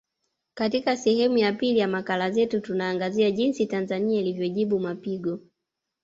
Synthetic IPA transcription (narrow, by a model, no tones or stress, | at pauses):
katikasɛhɛmujapilijamakalazɛtutunaːŋɡaziaʄinsitanzaniailivjɔʄiɓumapiɡɔ